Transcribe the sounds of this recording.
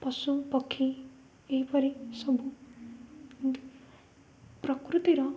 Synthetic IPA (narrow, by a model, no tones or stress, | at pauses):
pʌsupʌkʰːi | ejpʌɾisʌbʱu | prʌkrut̪iɾʌ